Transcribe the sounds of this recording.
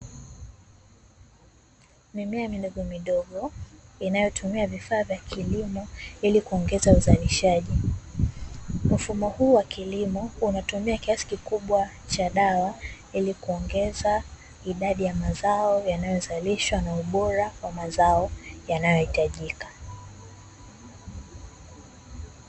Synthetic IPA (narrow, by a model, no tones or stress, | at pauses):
mimiamiɗɔɡɔmiɗɔɠɔinajɔtʰumiavifaːvjakʰilimɔilikuɔŋɡɛzauzaliʃaʄi | m̩fumɔhuːwakilimɔunatumiakiasi̥kikuɓwa | t͡ʃaɗawa | ilikuɔŋɡɛza | iɗaɗijamazaɔjanajɔzaliʃwanauɓɔɾawamazaɔjanajɔhitaʄikḁ